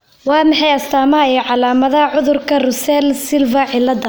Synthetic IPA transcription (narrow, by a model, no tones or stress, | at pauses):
wɑːmɪħɑjɐst̪ʰaːmɐɛjʕɑlaːmɐðɐɦɐʕʊðʊrkʰɐrʊsɛlsɪlvɐʕɪlːɐd̪ɐ